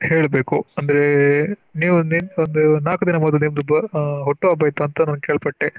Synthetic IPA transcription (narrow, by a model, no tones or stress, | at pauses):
heːɭbeːkuɐnd̪ɐɾeniːʋuninond̪unaːkud̪inɐmɐd̪ɐniːmd̪ubɐɦɔʈːuʋaːbɐjt̪uɐnt̪ɐnɐnɡkeːɭpɐʈːe